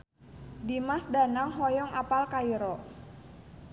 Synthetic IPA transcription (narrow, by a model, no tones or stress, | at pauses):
dimasdanaŋɦɔjɔŋapalkaiɾɔ